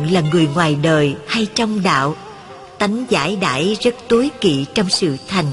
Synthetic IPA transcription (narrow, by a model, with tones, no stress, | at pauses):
ŋlaː˨˩ŋɨ˨˩əjŋwaː˨˩jɗəː˨˩jha˧jt͡ɕɔ˧wŋ͡mɗa̰ː˧˨w | t̪a˨˦jŋ̟za̰ː˧˥jɗa̰ː˧˥jzə˦˥t̚t̪u˨˦jkḭ˧˨t͡ɕɔ˧wŋ͡msɨ̰˧˨t̪ʰa˨˩jŋ̟